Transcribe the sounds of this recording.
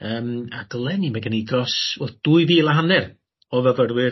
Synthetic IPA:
əːmaɡəlˠɛnimɛɡənidrɔsvɛθd̥uːɨviːlˠaɦanɛr | ɔvəvərwɪ

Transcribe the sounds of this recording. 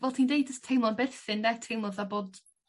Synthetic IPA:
vɛlˠtʰindejd̚d͡ʒəstʰːejmlɔnbɪrθɪndɛtʰejmlˠɔðaboːd

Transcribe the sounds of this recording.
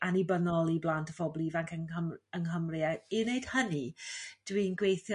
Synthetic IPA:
anibənɔlˠiblˠaːntəvɔblˠivaŋkʰəŋəməŋɦəmrɪainejd̥hənid̥wiːnɡwejθɔ

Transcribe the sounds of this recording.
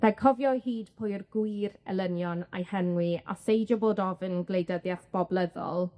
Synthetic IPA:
r̥ɛkʰɔvjɔhiːdpʰojrɡwirɛ̰lˠənjɔna̰jhɛnwia̰sejd͡ʒɔboːdɔvɨnɡlejdəðjaθb̥ɔblˠɛðɔ̰lˠ

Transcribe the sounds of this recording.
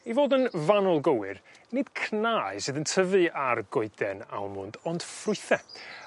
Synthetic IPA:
ivoːdənvanɔlˠɡəwɨ̰r | nɪd̥kʰnaːɨsɨðəntʰəvɨarɡʊɨdɛna̰lˠmʊndɔnd̥frʊɨθɛ

